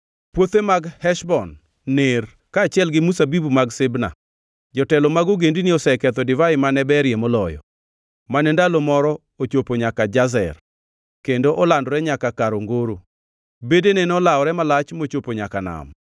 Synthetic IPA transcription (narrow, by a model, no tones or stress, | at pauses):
pwot̪emaɡhɛʃbɔnː | er | kaːt͡ʃɪɛlɡɪmusabibumaɡsɪbna̰ | d͡ʒɔtɛlɔmaɡoɡendiniɔsɛkɛt̪ɔdɪvaɪmanɛbɛɾjemɔlɔjɔ̰ | manɛndalomɔɾɔ | ot͡ʃopoɲakad͡ʒazɛ̰r | kendoʔɔlandɾɛɲakakaɾoŋɡoɾo | bedenenɔlaɔɾɛmalat͡ʃmot͡ʃopoɲakana̰m